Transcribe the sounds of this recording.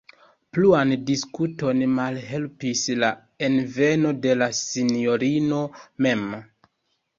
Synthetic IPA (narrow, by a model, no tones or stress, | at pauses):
pluandiskuto̞nmalɦe̞lpisla | e̞nve̞no̞de̞lasinjo̞ɾino̞me̞m